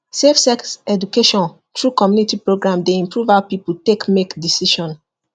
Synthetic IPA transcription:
sefsɛksɛdukeʃɔ̃n | tʰɹukɔmjunitipɹoɡɹãmdeĩmpʰɹuvapipultekmekdisiʃɔ̃n

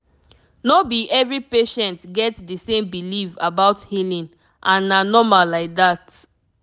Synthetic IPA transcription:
nobiʔɛvɹipeʃɛ̃ntɡɛtdəsẽmbilifabaʊthilĩn | ʔãnanɔmalaɪk̚dat

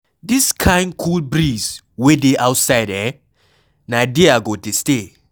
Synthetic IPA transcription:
diskʰãɪ̃nkʰulbɹis | wedeʔawtsaɪdɛ | nadeaɡoteste

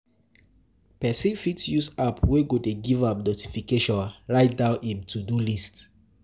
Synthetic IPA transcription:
pɛsĩfitjusapʰweɡodeɡivap̚noti̥fikeʃɔ̃nɹaɪt̚daʊʔimtudulist

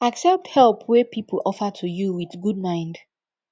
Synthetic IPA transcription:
aksɛp̚thɛlˠpʰwɛpʰipʰəl̩ʔɔfətʰujuwiðɡud̚mãɪ̃nd

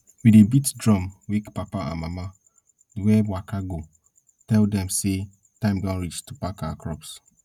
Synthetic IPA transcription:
widebitdɹɔ̃mwikpapaã̰mama | dwɛbwakaɡo | tɛldɛ̃mse | tãɪ̃mɡãnɹit͡ʃtupakawakʰɹɔps

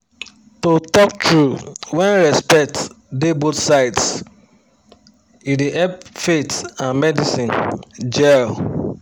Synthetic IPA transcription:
totɔk̚tɹuwɛ̃nɹɛspɛk̚t | debotsaɪts | ideʔɛpfetãnmɛdisĩnd͡ʒɛl

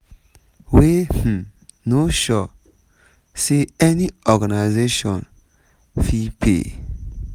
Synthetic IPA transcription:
weh̩ | noʃɔ | seɛniɔɡanaɪzeʃɔ̃n | fipʰḛ

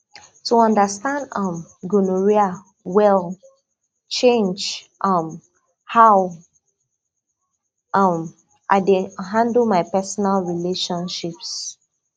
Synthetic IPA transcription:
tuɔ̃ndəstãndʌ̃mɡunuɹia | wɛl | t͡ʃẽnd͡ʒ | ʔʌm | haʊ | ʔʌm | ʔaɪdeɦãndl̩ˠmaɪpɛsɔnalɹileʃɔ̃nʃips

